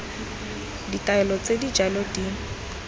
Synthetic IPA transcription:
ditʼaɛlɔt͡sʼedid͡ʒalɔdi

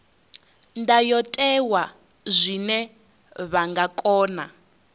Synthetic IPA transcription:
ndajɔtʼɛwa | zʷinɛ | βaŋɡakʼɔːna̰

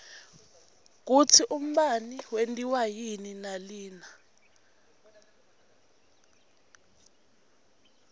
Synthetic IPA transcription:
k̬ut͡sʰiʔum̩ɓaniwentʼiwajininaliːna

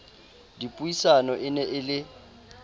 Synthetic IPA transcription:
dipʼuisanɔʔɪnɛʔɪlɪ

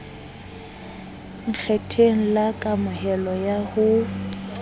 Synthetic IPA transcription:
ŋ̩k͡xʰɛtʰeŋ̩lakʼamʊhɛlɔjahʊ

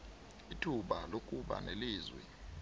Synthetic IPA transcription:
itʰuɓalok̬ʼuɓa̰neliːzwɛ̰

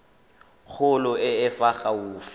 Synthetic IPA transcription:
k͡xʰʊlʊɪɪfaχauːfɪ

